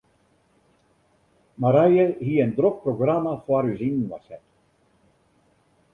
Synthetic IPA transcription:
maɾajəhiəndrok̚proɡramafwaɾyzinn̩ʋa̰sɛt

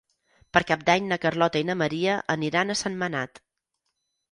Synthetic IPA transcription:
pəɾkap̚d̪aɲnəkərlɔt̪əinəməɾiəʔəniɾanəsənːənat̪

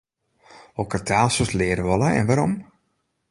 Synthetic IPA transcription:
okərtʰaːlˠsoslɪəɾəʋɔlˠaɛ̰nʋaɾɔm

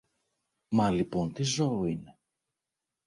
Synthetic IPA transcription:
mɐlipo̞nt̪izo̞ine̞

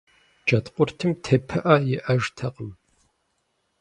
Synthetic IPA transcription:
d͡ʒɐt̪qʷʊrtʰɨmtʰepʰɨʔɐjɪʔɐʒtʰɐqəm

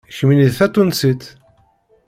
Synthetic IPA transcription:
çminiðθæt̪ˤːunsit̪

